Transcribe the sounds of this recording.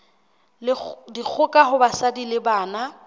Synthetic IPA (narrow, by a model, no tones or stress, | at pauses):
lɪdik͡xʰʊkʼaɦʊbasadilɪbaːna